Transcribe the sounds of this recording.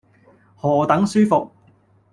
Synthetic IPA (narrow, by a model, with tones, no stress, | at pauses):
hɔː˨t̪ɐ˨˥ŋsyː˥fʊ˨k̚